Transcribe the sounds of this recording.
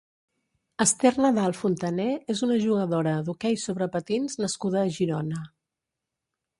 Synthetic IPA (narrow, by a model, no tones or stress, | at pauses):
əst̪ɛrnəðalˠfunt̪ənɛezunəʒuɣəðoɾəðukɛjsoβɾəpət̪inznəskuðəːʒiɾonə